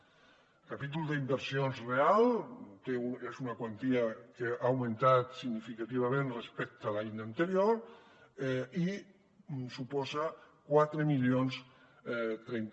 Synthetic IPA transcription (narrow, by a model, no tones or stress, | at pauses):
kapit̪ulˠd̪əimbəɾsionzrealˠt̪euezunakwant̪iakeʔawmẽnt̪at̪siɣnifikat̪iβ̞amẽnrespɛk̚t̪alainəːnt̪eɾioɾ | i | supɔza | kwat̪ɾəmiʎions | t̪ɾɛn